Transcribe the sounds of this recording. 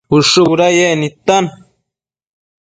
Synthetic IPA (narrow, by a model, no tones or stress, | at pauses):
uʂuβuɾajenĩt̪an